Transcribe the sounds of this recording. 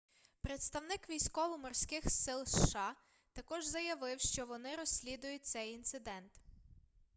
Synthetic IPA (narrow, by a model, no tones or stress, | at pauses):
pɾet̪st̪ɐwnɪkʋʲijsʲkɔʋɔmɔrsʲkɪxsɪlˠsʃɑ | t̪ɐkɔʒzɐjɐʋɪwʃt͡ʃɔʋɔnɪɾɔsʲlʲid̪ʊjʊt̚ʲt̪sɛjint̪sɪd̪ɛnt̪